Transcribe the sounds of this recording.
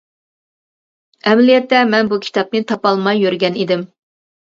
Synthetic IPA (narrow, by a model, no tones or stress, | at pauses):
ɛmɛlijɛt̪ːɛmɛnbukʲʰi̥t̪ʰɑp̚nɨt̪ʰɑpɑlˠmɑjːøɾɡʲɛnid̪ɪm